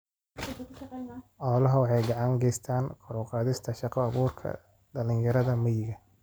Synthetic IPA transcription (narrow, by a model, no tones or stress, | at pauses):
ʔɔːlɐɦɐwɑħɑjɡɑʕɑŋɡɛjst̪ʰaːnqʰɔɾɔqɑːðɪst̪ʰɐʃɑqɑːβuːrkʰɐ̰ | ɖɐlɪŋjɐɾɐðɐmɐjɪɣɐ